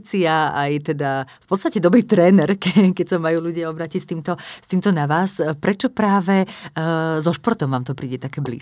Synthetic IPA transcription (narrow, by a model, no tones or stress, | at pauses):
t͡siaajt̪ɛd̪afpɔt̪st̪acɛd̪ɔbɾiːt̪ɾɛːnɛɾkɛkɛcsamajuːluɟɪaɔbɾaːcicst̪iːmt̪ɔst̪iːmt̪ɔnaʋaːspɾɛt͡ʃɔpɾaːʋɛ | zɔʃpɔɾt̪ɔmʋaːmt̪ɔpɾiːɟɛt̪akɛːblḭː